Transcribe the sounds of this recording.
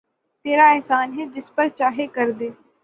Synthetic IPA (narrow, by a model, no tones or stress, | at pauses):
t̪eːɾaɛɦsaːnɦed͡ʒɪspəɾt͡ʃaːɦekɐɾd̪eː